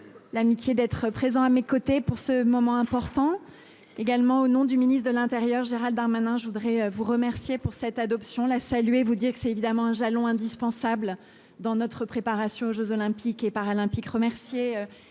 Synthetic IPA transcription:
lamit̪jed̪ɛt̪χəpχezɑ̃amekot̪epuʁsəmɔmɑ̃ɛ̃pɔʁt̪ɑ̃ | eɡalmɑ̃onɔ̃d̪yminist̪d̪əlɛ̃t̪eʁjœʁʒeʁald̪aʁmanɛ̃ʒəvud̪ʁɛøvuʁəmɛʁsjepuʁsɛt̪ad̪ɔpsjɔ̃lasalɥevud̪iʁkə̥sɛt̪evid̪amɑ̃ɛ̃ʒalɔ̃ɛ̃d̪ispɑ̃sabl | d̪ɑ̃nɔt̪χəpχepaʁasjɔ̃oʒøzɔlɛ̃pikepaʁalɛ̃pikʁəmɛʁsjeø

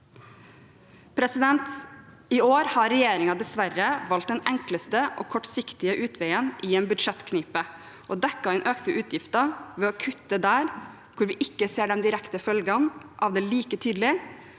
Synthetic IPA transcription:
pʰɾɛsɪd̪ɛnt̪ | ɪoːɾhɑɾɛjeːɾɪŋɑd̪ɛsʋæɾːəʋɑlt̪̚d̪ɛnɛŋkləst̪əʔo̰ːkʰɔʈsɪkt̪ɪəʔʉːt̪ʰʋæɪənʔiːɛːnbʉd̪ʂɛt̪ːkʰniːpə | ʔoːd̪ɛkːɑɛnʔøːkt̪əʔʉːt̪ʰjɪft̪ɑʋɛːokʰʉt̪ːəd̪æːɾ | kʰʊɾʋɪʔɪkːəseːɖɛnd̪ɪɾɛkt̪əfœlɡɑnʔɑʋd̪ɛːliːkət̪ʰyːd̪l̩ɪ

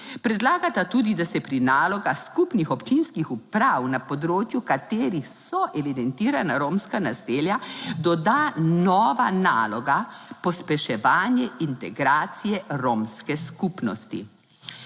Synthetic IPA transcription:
pɾɛd̪laːɡat̪at̪uːd̪id̪asɛpɾinaːlɔɡaxskupnixɔpt͡ʃinskixupɾawnapɔd̪ɾoːt͡ʃjukat̪eːɾixsɔʔɛʋid̪ɛnt̪iːɾanaɾoːmskanaseːljad̪ɔd̪anɔːʋana̰ːlɔɡa | pɔspɛʃɛʋaːnjɛʔint̪ɛɡɾaːt̪sijɛɾoːmskɛskupnɔ̰st̪ḭ

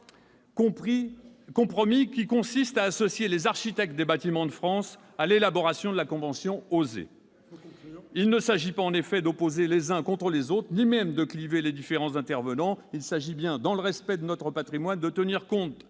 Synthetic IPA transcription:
kɔ̃pχɔmikʲikɔ̃sist̪aːsɔsjelezaʁʃit̪ɛk̚t̪̚d̪ebat̪imɑ̃d̪əfχɑ̃s | alelabɔʁasjɔ̃d̪əlakɔ̃vɑ̃sjɔ̃ozḛ | ilnəsaʒipaɑ̃nefɛd̪ɔpozelezɛ̃kɔ̃t̪χəlezot̪χnimɛmd̪əkliveled̪ifeʁɑ̃zɛ̃t̪ɛʁvənɑ̃ilsaʒibjɛ̃d̪ɑ̃ləʁɛspɛd̪ənɔt̪χəpat̪χimwand̪ət̪əniʁkɔ̃t̪

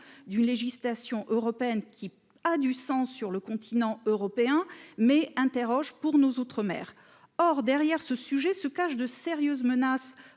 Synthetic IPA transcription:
d̪ynleʒislasjɔ̃ʔøʁɔpeɛnkʲʰi | ad̪ysɑ̃sːyʁləkɔ̃t̪ʰinɑ̃øʁɔpeɛ̃mɛɛ̃t̪eʁɔʒpuʁnozot̪χəmɛ̰ːʁ | ɔʁd̪ɛʁjɛʁsəsyʒɛsəkaʃd̪əseʁjøzmənas

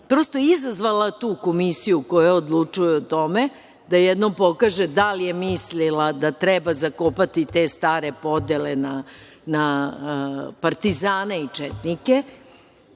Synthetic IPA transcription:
pɾo̞st̪ojizazʋalat̪uːko̞misijukojaod̪lˠut͡ʂujɛot̪o̞me | d̪ajɛd̪nompo̞kaːʒed̪alijemislilad̪at̪ɾɛbazakopat̪it̪est̪aːɾe̞po̞d̪elena | na | paɾt̪izaːneit͡ʂɛt̪nike

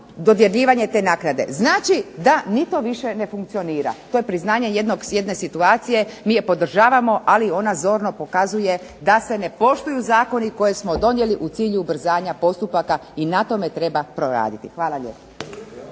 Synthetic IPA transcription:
d̪o̞d̪jeɾʎiːʋaɲe̞t̪e̞ːnaːknad̪e̞̰znaːt͡ʃid̪anit̪o̞ʋiʃe̞ne̞fuŋkt̪sio̞niːɾa̰t̪oje̞pɾiznaːɲe̞je̞d̪no̞ɡsjed̪ne̞sit̪uaːt̪sije̞miːje̞po̞d̪r̩ʒaːʋamo̞ʔalio̞nazo̞ɾno̞po̞kazuje̞d̪ase̞ne̞po̞ʃt̪ujuzaːko̞niko̞je̞smo̞d̪o̞nje̞liʔut̪siːʎubr̩zaːɲapo̞st̪upakainat̪o̞me̞t̪ɾe̞bapɾo̞ɾa̰ːd̪it̪ixʋaːlaʎeːpḁ

